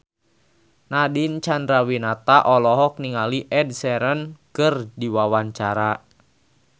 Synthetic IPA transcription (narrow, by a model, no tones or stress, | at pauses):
nadint͡ʃandɾawinat̪aʔɔlɔɦɔk̚niŋaliʔɛd̚sɛɾənkərdiwawaɲt͡ʃaɾa